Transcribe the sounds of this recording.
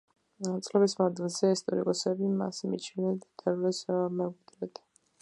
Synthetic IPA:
at̪sʼlɛbismand̪ilˠzɛist̪ʼɔɾḭkʼɔsɛbima̰smḭt͡ʃʰinɛnt̪ʰɛvlɛsamɛɡɛd̪ɾɛt̪ʰ

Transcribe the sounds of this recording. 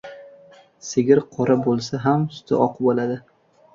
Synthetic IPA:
sɪɡʲɪɾqʰɒɾabolˠsaɦamsʊ̥t̪ʰɪ̰ʔɒqbolad̪ɪ

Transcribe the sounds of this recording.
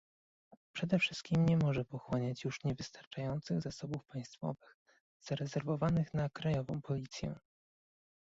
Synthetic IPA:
pʂɛd̪ɛfʂɘst̪̚kʲimɲɛmɔʐɛpɔxwɔɲat͡ɕjuʂɲɛvɘst̪aɾt͡ʂajɔnt̪sɘɣzasɔbufpaj̃st̪fɔ̰vɘx | z̥aɾɛzɛɾvɔvanɘxnakɾajɔvɔ̰̃w̃pɔlʲit̪sʲjɛ̰

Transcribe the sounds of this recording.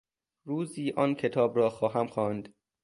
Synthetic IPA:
ɾuːziːʔɒːncʰe̞t̪ʰɒːbɾɒːxɒːɦæmxɒːnd̪

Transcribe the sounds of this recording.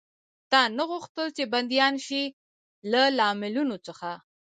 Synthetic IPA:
t̪ɑnaɣuxt̪əlt͡ʃeband̪jɑnʃi | lalɑmɪlunot͡səxa

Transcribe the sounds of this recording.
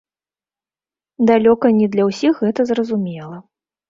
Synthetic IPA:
d̪alʲɔkɐnʲid̪lʲɐwsʲixɣɛt̪ɐzrɐzumʲɛlˠɐ

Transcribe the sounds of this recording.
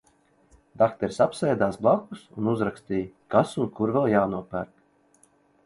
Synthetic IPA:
d̪akt̪ɛɾsapsɛjd̪aːsblˠakːusunuzɾakst̪iːjkasunkuɾvɛlˠjaːnuɔpæɾk̪

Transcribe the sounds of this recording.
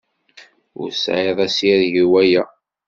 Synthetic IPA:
ʊ̰ɾsʕeðˤæsiðʝiwæjæ

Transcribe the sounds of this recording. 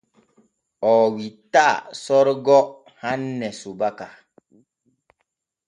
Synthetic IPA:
ɔːwitasɔɾɡɔ | hãnːɛsubaka

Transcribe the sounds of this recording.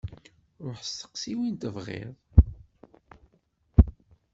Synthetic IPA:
ɾˤoħst̪ə̥qsiwint̪əvʁḛðˤ

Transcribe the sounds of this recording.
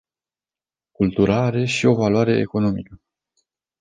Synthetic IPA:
kult̪uɾaaɾe̞ʃio̞valwaɾe̞ḛko̞no̞mikə

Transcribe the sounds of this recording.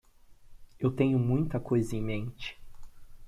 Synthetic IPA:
ewt̪ẽɲʊmũj̃t̪ɐkojzɐẽmẽnt͡ʃɪ̥

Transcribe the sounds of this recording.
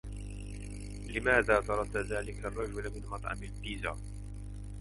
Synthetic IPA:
lɪmaːðaːt̪ɑɾˤɑt̪ːaðaːlɪkarˤːɑd͡ʒʊlamɪnmɑt̪ˤʕɑ̰mɪlbiːza̰

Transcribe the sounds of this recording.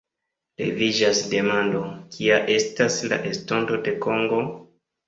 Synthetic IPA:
le̞̰vid͡ʒasde̞mando̞kʰiaʔe̞stasla̰ʔesto̞nto̞de̞ko̞ŋɡo̞

